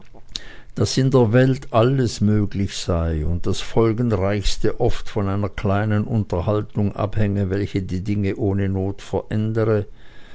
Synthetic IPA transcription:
d̥asɪndeːɐvɛltʔaləsmøːɡlɪçz̥aɪʊnt̚d̥asfɔlɡən̩ʁaɪçstəʔɔftfɔnaɪnɐkʰl̥aɪnənʔʊntɐhaltʊŋʔa̰phɛŋəvɛlçədiːdɪŋəʔoːnənoːtfɛɐʔɛndəʁə

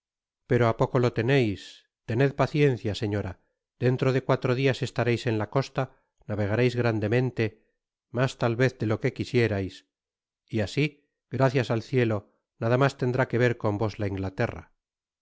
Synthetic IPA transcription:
pe̞ɾo̞apo̞ko̞lo̞t̪e̞ne̞js | t̪e̞ne̞ðpaθje̞nθjase̞ɲo̞ɾa | d̪̥e̞nt̪ɾo̞ðe̞kwat̪ɾo̞ðiase̞st̪aɾejse̞nlako̞st̪a | naβe̞ɣ̞aɾe̞jzɣɾand̪e̞mẽ̞nt̪e̞ | mast̪alβe̞θðelo̞ke̞kisje̞ɾajs | iasi | ɡɾaθjasalθje̞lo̞ | naðamast̪e̞nd̪ɾake̞β̞e̞ɾko̞mbo̞zlaiŋɡlat̪e̞ra̰

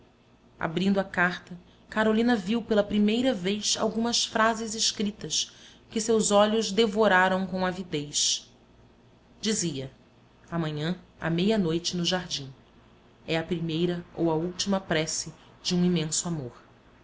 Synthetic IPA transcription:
a̰bɾĩnd̪ʊɐkaχt̪ɐ | kaɾolĩnɐviwpelɐpɾimejɾɐvejsa̰wɡũmɐsfɾazɪzɪʃkɾit̪ɐs | kɪsewzɔʎʊzd̪evoɾaɾɐ̃w̃kõavid̪ejs | d͡ʒiziɐ | amɐ̃ɲɐ̃a̰mejɐnojt͡ʃɪnʊʒaɾd͡ʒĩ | ɛɐpɾimejɾɐo̰wɐuwt͡ʃimɐpɾɛsɪ | d͡ʒɪũimẽsʊamoɾ

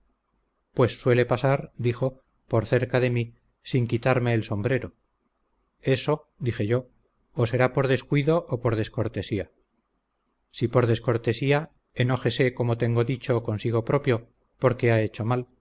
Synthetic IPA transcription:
pwe̞sːwe̞le̞pasaɾd̪ixo̞ | poɾθe̞ɾkaðe̞mi | siŋkit̪aɾme̞ːlso̞mbɾe̞ɾo̞ | e̞so̞ | d̪ixe̞ʝo̞ː | se̞ɾapo̞ɾðe̞skwiðo̞ʔːpo̞ɾðe̞sko̞ɾt̪e̞sia | sipo̞ɾðe̞sko̞ɾt̪e̞sia | eno̞xe̞se̞ko̞mo̞t̪e̞ŋɡo̞ðit͡ʃo̞ko̞nsiɣ̞o̞pɾo̞pjo̞ | po̞ɾke̞ae̞t͡ʃo̞mal

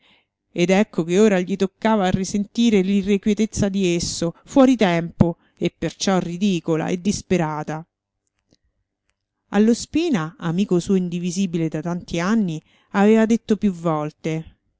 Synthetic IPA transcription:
ed̪ɛkʰːokeoːɾaʎit̪okːaːvaːrːisent̪iːɾelirːekwet̪et̪sːad̪iesːofwɔːɾit̪ɛmpo | epːert͡ʃɔrːid̪iːkola̰ʔḛd̪ːispeɾaːt̪a | a̰lːospiːnaamiːkosuːoind̪iviziːbiled̪at̪ant̪ianːi | aveːvad̪et̪ːopjuvːɔlt̪e

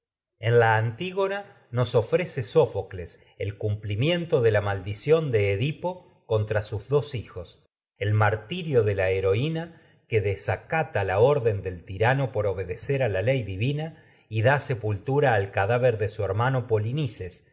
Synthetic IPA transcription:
enlaːnt̪iɣo̞na | no̞so̞fɾese̞so̞fokles | elkumplimje̞nt̪o̞ðelamald̪isjo̞nd̪eːðipo̞ | kont̪ɾasuzðo̞sixo̞s | e̞lmaɾt̪iɾjo̞ðe̞laeɾo̞ina | keðesakat̪alao̞ɾðe̞nd̪e̞lt̪iɾano̞po̞ɾo̞βe̞ðeseɾalalejðiβina | iðase̞pult̪uɾaːlkaðaβeɾðesueɾmano̞po̞linises

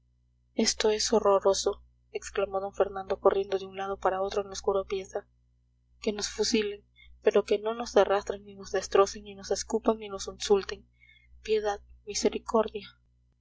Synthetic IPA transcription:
e̞st̪o̞e̞so̞ro̞ɾo̞so̞ | eksklamo̞ðo̞ɱfe̞ɾnãnd̪o̞ko̞rje̞nd̪o̞ðeunlað̞o̞paɾao̞t̪ɾoenoskuɾapje̞sa | ke̞no̞sfusile̞ŋ | pe̞ɾo̞ke̞no̞no̞zarast̪ɾeŋnino̞zðe̞st̪ɾo̞se̞ŋnino̞se̞skupaŋnino̞sinsult̪e̞ŋ | pje̞ðaðmise̞ɾikʰo̞ɾðja

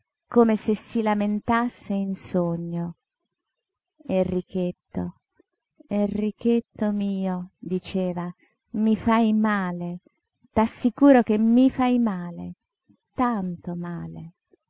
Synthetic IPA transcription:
koːmesesːilament̪asːeinsoɲːo | erːik̟et̪ːo̰ | erːik̟et̪ːomiːod̪it͡ʃeːva | mifajmaːle | t̪asːikuːɾokemːifajmaːlḛ | t̪ant̪omaːlḛ

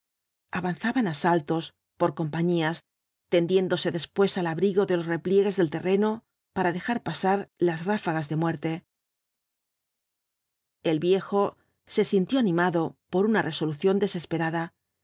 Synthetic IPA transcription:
aβanθaβanasalt̪o̞s | po̞ɾko̞mpaɲias | t̪e̞nd̪je̞nd̪o̞se̞ðe̞spwe̞salaβɾiɣo̞ðe̞lo̞sre̞plje̞ɣe̞zðe̞lt̪e̞re̞no̞ | paɾaðe̞xaɾpasaɾlazrafaɣazðe̞mwe̞ɾt̪e̞ | e̞lβje̞xo̞ | se̞sint̪jo̞anĩmaðopo̞ɾunarʔe̞soluθjo̞nd̪e̞se̞spe̞ɾaða

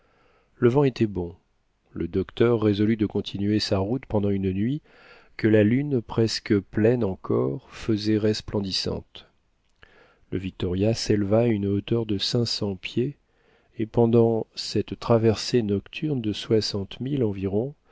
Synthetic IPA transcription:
ləvɑ̃et̪ɛbɔ̃ | ləd̪ɔkt̪œʁːezɔlyd̪əkɔ̃t̪ʰinɥesaʁut̪pɑ̃d̪ɑ̃ynnɥi | kəlalynpχɛskəplɛnɑ̃kʰɔʁfəzɛʁɛsplɑ̃d̪isɑ̰̃t̪ | ləvik̚t̪ɔʁjaselvaynot̪œʁd̪əsɛ̃sɑ̃pjeː | pɑ̃d̪ɑ̃sɛt̪t̪ːχavɛʁsenɔkt̪ʰyʁnd̪əswasɑ̃t̪milɑ̃viʁɔ̃

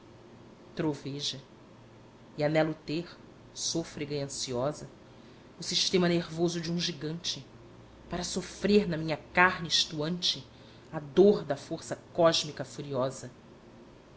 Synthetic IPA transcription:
t̪ɾoveʒɐ | ianɛlʊt̪eχ | sofɾeɡɐiɐ̃siɔzɐ | ʊsiʃt̪ẽmɐneɾvozʊd͡ʒɪũʒiɡɐ̃nt͡ʃɪ | paɾɐsofɾeɾnɐmĩɲɐkaɦnɪːʃt̪uɐ̃nt͡ʃɪ | ad̪oɾd̪ɐfoɾsɐkɔʒmikɐfuɾiɔzɐ

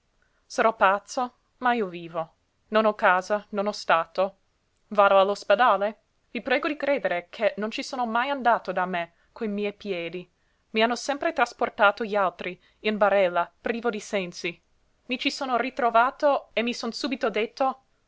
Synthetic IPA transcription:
saɾɔpat̪sːo | maiːoviːvo | nonɔkaːzanonɔst̪aːt̪o | vaːd̪oalːosped̪aːle | vipɾɛːɡod̪ikɾeːd̪eɾekʰenːont͡ʃisoːnomajand̪aːt̪od̪ame | kʰoimiɛjpjɛːd̪i | mianːosɛmpɾet̪ɾasport̪aːt̪oʎialt̪ɾi | inbaɾɛlːapɾiːvod̪isɛnsi | mit͡ʃisoːnorit̪ɾovaːt̪oemːisonsuːbit̪od̪et̪ːo

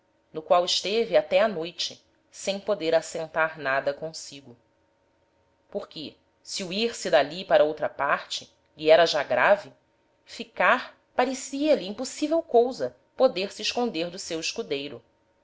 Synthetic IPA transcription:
nʊkwawɪʃt̪evɪat̪ɛanojt͡ʃɪ | sẽj̃pod̪eɾasẽnt̪aɾnad̪ɐkõsiɡʊ | poɾkɪ | siuiɾsɪd̪alipaɾɐowt̪ɾɐpaɾt͡ʃɪ̥ | liɛɾɐʒaɡɾavi | fikaɾ | paɾesiɐliĩposivewkowzɐ | pod̪eɾsɪɪʃkõnd̪eɾd̪ʊsewɪʃkud̪ejɾʊ

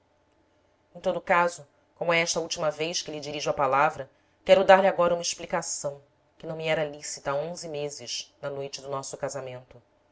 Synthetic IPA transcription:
ẽt̪od̪ʊkazʊ | kõmʊɛɛʃt̪ɐuwt͡ʃimɐvejʃkɪlɪd͡ʒiɾiʒʊɐpalavɾɐ | kɛɾʊd̪aɾlɪaɡɔɾɐumɐɪʃplikasɐ̃w̃ | kɪnɐ̃w̃miɛɾɐlisit̪ɐaõzɪmezɪʃnɐnojt͡ʃɪd̪ʊnɔsʊkazamẽnt̪ʊ

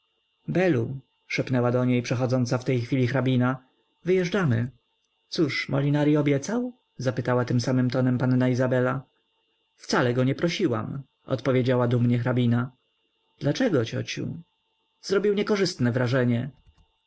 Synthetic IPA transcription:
bɛlu | ʂɛpnɛwad̪ɔɲejpʂɛxɔd̪zɔnt̪saft̪ɛjxfʲilʲixɾabʲina | vɘjɛʐd͡ʐamɘ | t̪suʂmɔlʲinaɾiɔbʲjɛt̪saw | zapɘt̪awat̪ɘmsamɘmt̪ɔnɛmpanːaizabɛla | ft̪salɛɡɔɲɛpɾɔɕiwa̰m | ɔ̰t̪pɔvʲjed͡ʑawad̪umɲɛxɾabʲina | d̪̥lat͡ʂɛɡɔt͡ɕɔ̰t͡ɕṵ | z̥ɾɔbʲiwɲɛkɔʐɘst̪nɛvɾaʐɛɲɛ

